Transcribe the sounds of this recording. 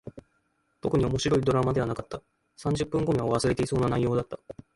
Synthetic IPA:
t̪o̞kɯ̟ɲ̟io̞mo̞ɕiɾo̞id̪o̞ɾamad̪e̞β̞anakat̪ːa | sãɲ̟d͡ʑɨpːɯ̃ŋɡo̞mʲiβaβ̞asɨɾe̞t̪e̞iso̞ːnanaijo̞ːd̪at̪ːḁ

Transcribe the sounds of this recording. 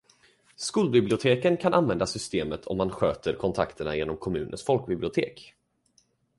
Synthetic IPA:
skuːlbɪblɪʊt̪ʰeːkənkʰanʔanvɛnd̪asʏst̪eːmət̪ʰɔ̰mːanɧøːt̪əɾkʰɔnt̪ʰa̰kt̪ʰəɳajeːnɔmkʰɔmʉ̟ːnə̰nsfɔlk̚bɪblɪʊt̪ʰḛːk

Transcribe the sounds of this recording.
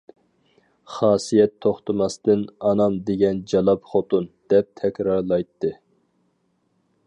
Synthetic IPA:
χɑːsijɛt̪ʰːoχt̪ʰɨmɑst̪ɨnɑnɑmd̪eɡʲɛnd͡ʒɑlˠɑpχot̪und̪̥ɛp̚t̪ʰɛkʲɾɑɾlˠɑjt̪ʰːɨ

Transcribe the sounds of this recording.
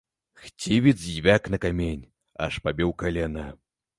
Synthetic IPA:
xt͡sʲivʲid̪zvʲaknɐkamʲenʲ | a̰ʂpabʲɛwkalʲɛnɐ

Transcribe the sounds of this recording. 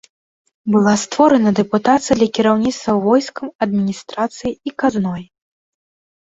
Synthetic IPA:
bɨlˠast̪vɔɾɐnɐd̪ɛput̪at̪sɨjɐd̪lʲɐkʲiɾawnʲit̪st̪vɐwvɔjskɐmɐd̪mʲinʲist̪ɾat̪sɨjiikaznɔj

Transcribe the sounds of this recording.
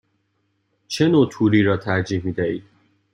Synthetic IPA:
t͡ʃʰe̞noːt̪ʰuːɾiːɾɒːt̪ʰæɾd͡ʒiːhmiːd̪æḭːd̪̥̚

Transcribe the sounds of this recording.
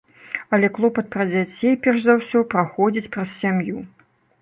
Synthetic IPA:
ɐlʲɛklˠɔpɐt̪̚pɾɐd͡zʲat͡sʲejpʲɛrʂzawsʲɔpɾaxɔd͡zʲit͡sʲpɾɐssʲamju

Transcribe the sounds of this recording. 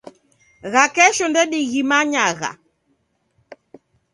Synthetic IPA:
ɣakɛʃɔndɛɗiɣimaɲaɣa̰

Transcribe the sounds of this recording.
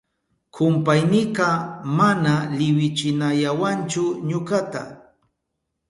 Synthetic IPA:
kʰʊmpajnɪqɑmanalɪwɪt͡ʃɪnajawant͡ʃʊɲʊkat̪a̰

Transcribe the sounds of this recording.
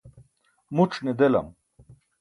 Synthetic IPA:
muʈ͡ʂʰned̪elɐ̰m

